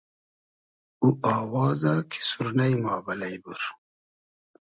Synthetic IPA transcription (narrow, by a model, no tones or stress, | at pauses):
uaːwɑːzakʰi̥suɾnɐjmɑːbɐlɐjbuɾ